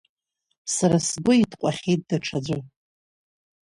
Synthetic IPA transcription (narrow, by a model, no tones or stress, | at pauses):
saɾasɡʷʊitʰqʷʼaχʲejt̚daʈ͡ʂʰad͡ʒʷʊ